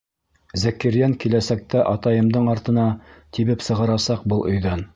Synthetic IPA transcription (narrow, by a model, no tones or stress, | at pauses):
zækɘ̆ɾjæŋkilæsæk̚t̪æʔɑt̪ɑjɤ̆md̪ɤɴɑɾt̪ɤ̆nɑt̪iβɘpsɤ̆ʁɤ̆ɾɑsɑq̚bɤlˠʔɵ̆jðæn